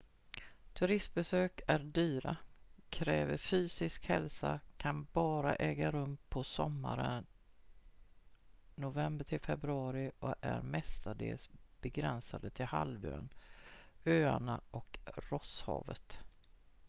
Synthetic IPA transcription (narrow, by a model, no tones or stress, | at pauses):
t̪ʰɵɾɪst̪̚bɛsøːkæɾɖyːɾakʰɾɛːvəɾfyːsɪskhɛlsakʰanbɑːɾaʔɛːɡaɾɵmpʰɔsɔmːa̰ɾən | nʊvɛmbəʈ̪ʰɪlfɛbɾɵɑːɾɪɔæɾmɛst̪aɖḛːlsb̥ɛɡɾɛnsad̪ət̪ʰɪlha̰lvø̰ːn | øːanaʔɔkɾɔshɑ̰ːvət̪